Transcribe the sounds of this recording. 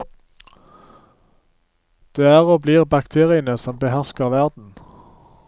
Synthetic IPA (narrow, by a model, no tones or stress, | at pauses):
d̪̥eːæːʁoːbliːʁbɑkt̪ʰeːʁɪənəsɔmbəhæʁskəʁʋæʁd̪n̩